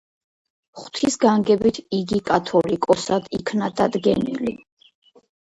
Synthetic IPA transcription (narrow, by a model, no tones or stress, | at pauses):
χt̪ʰisɡaŋɡɛbit̪ʰiɡikʼat̪ʰɔlikʼɔsad̪ikʰnad̪ad̪ɡɛnḭli